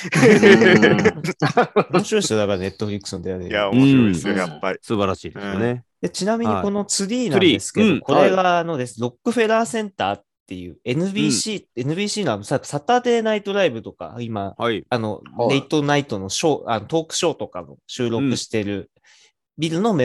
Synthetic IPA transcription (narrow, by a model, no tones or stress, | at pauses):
omo̞ɕiɾoesjoabane̞t̪ːo̞ɸɯ̟ɾʲikɯ̥sɨnd̪eaɾejaɕojapːaisɨbaɾaɕḭːd̪esɨjoned̪et͡ɕinamʲiɲɲiko̞no̞t͡sɨɾʲiːnãd̪esɨ̥ked̪oko̞ɾe̞ɡaːno̞d̪e̞sɨnɾo̞kːɯ̟ɸe̞ɾaːsẽ̞nt̪aːt̪ːe̞jɯ̟̰ːe̞nɯ̟bʲiːɕiːe̞nɯ̟bʲiːɕiːno̞ano̞sakːɯ̟sat̪aːt̪e̞ːnait̪o̞ɾaibɯ̟t̪o̞ka̰imaano̞̰d̪eit̪o̞nait̪o̞no̞ɕo̞ːano̞t̪o̞ːkɯ̟̥ɕo̞ːt̪o̞ka̰ɡo̰ɕɨːɾo̞kɯ̟ɕi̥t̪e̞ɾɯ̟ | bʲiɾɯ̟no̞me